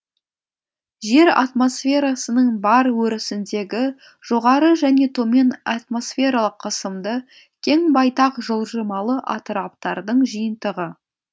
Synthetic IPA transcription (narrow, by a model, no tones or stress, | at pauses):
ʒe̞ɾa̰t̪mo̞sfʲe̞ɾasənəɴbɑɾwɵɾɪsɪnd̪e̞ɡʲɪ | ʒ̥o̞ʁɑɾəʒæne̞t̪ʰo̞me̞nɑt̪mo̞sfʲe̞ɾɑlˠəqʰːəsəmd̪ə | kʲʰe̞ŋbɑjt̪ɑqʒəlˠʒəmɑlˠəʔɑ̰t̪əɾɑpt̪ɑɾd̪əɴʒijənt̪əʁə